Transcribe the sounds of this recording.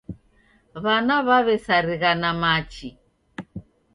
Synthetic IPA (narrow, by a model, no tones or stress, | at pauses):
βanaβaβɛsaɾiɣanamat͡ʃi